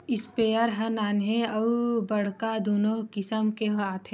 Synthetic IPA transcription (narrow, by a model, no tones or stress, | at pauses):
ispeːəɾɦɐ̃naːnɦẽɐubɐɽ̤kad̪oːnõːkɪsəmkeɦaːt̪ʰẽ